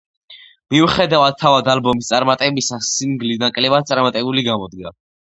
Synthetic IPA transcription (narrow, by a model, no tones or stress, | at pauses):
miuχɛd̪avad̪̥̚t̪ʰːavad̪albɔmist̪sʼaɾmat̪ʼɛbisasːiŋɡlinakʼlɛvad̪̚tsʼaɾmat̪ʼɛbuliɡamɔd̪ɡa